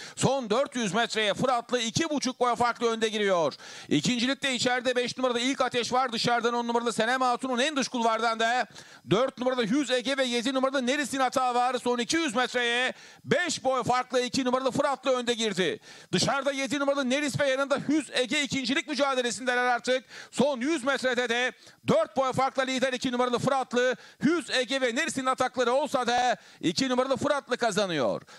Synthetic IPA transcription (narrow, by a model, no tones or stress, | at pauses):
so̞nd̪øɾt̪jyzmɛt̪ɾejɛfɯɾat̪lˠɯicʰibut͡ʃʰuk̚bo̞jafaɾklˠɯø̞nd̪ɛɟiɾijoɾ̥ḭcʰind͡ʒilʲic̚t̪ʲɛit͡ʃʰæɾd̪ɛbɛʃnumaɾad̪ɯilʲcat̪ʰɛʃvaɾd̪ɯʃaɾd̪anonːumaɾalˠɯse̞nɛmaːt̪ʰununɛnd̪ɯʃkulˠvaɾd̪and̪ɛ | d̪øɾt̪̚numaɾalˠɯjyzeɟɛvɛjed̪inumaɾalˠɯneɾisinat̪ʰaːvaːɾso̞nicʰijyzmɛt̪ɾejɛ | bɛʃbo̞jfaɾklˠɯicʰinumaɾalˠɯfɯɾat̪lˠɯø̞nd̪ɛɟiɾd̪ɪd̪ɯʃaɾd̪ajed̪inumaɾalˠɯneɾisvɛjanɯnd̪ajyzeɟɛicʰind͡ʒilʲic̚ʲmyd͡ʒaːd̪elʲesind̪ɛlʲɛɾaɾt̪ʰɯk̚so̞njyzmɛt̪ɾɛd̪ɛd̪ɛ | d̪øɾt̪̚bo̞jfaɾklˠɯlʲiːd̪ɛɾicʰinumaɾalˠɯfɯɾat̪lˠɯjyzeɟɛvɛneɾisinat̪ʰaklˠaɾɯo̞lˠsad̪a | icʰinumaɾalˠɯfɯɾat̪lˠɯkazanɯjo̞̰ɾ̥